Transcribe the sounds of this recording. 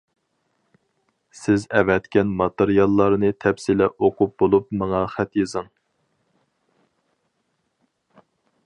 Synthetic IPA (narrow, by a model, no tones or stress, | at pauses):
sɪzɛvɛt̪kʲɛnmɑt̪eɾijɑlˠːɑɾnɨt̪ʰɛpsilɛoqʰup̚bolˠupmɑŋɑχæt̪jezɨŋ